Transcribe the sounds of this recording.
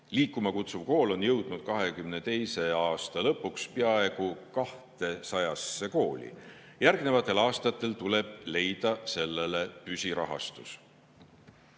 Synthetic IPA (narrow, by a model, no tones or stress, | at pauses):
liːkːˑumɑkut̪suvko̞ːlo̞njɤwd̪̥nud̪̥̚kɑɦe̞kymne̞t̪e̞jse̞ɑːst̪ɑlɤpːˑukspeɑe̞ɡ̥ukɑht̪e̞sɑjɑsːe̞ko̞ːlʲḭ | jærɡne̞vɑt̪ːˑe̞lɑːst̪ɑt̪ːˑe̞lt̪ule̞b̥̚le̞jd̪̥ɑse̞lːe̞le̞pysʲiɾɑ̰ɦɑ̰st̪us